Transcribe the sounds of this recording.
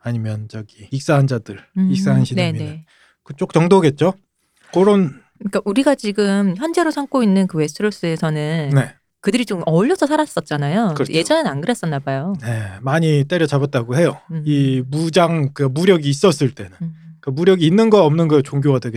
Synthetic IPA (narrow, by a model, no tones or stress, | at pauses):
aɲimjʌnt͡ɕʌɡiːk̚s͈aɦand͡ʑadɯɭik̚s͈aɦanɕʰinenieɯ | kɯt͡ɕ͈ok̚t͡ɕʌŋdoɦaɡe̞t̚t͡ɕ͈o | koɾon | k͈aʔuɾiɡat͡ɕiɡɯmçjʌnd͡ʑe̞ɾosʰaŋk͈oinːɯnkɯwe̞s͈ʰɯɾos͈ɯesʰʌnɯnne̞ | kɯdɯɾit͡ɕomʌʎːʌsʰʌsʰaɾas͈ʌt̚t͡ɕ͈anajokɯɾeje̞d͡ʑʌnɯnanɡɯɾʌs͈ʌnːabajone̞maɲit͈eɾjʌt͡ɕabat̚t͈aɡoɦe̞joimud͡ʑaŋkɯamuɾjʌɡiːs͈ʌs͈ɯɭt͈e̞nɯnk͈amuɾjʌɡiːnːɯnɡʌʌmnɯnɡʌot͡ɕoŋɡjowadeɡe